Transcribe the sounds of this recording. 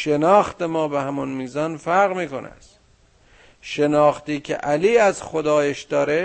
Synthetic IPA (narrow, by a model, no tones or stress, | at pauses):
ʃenɒːxt̪emɒːbehæmɔnmiːzɒːnfæɾɣmiːko̰nʔæ̰s | ʃenɒːxt̪iːcʰḛʔæliːæzxod̪ɒːjeʃd̪ɒːɾe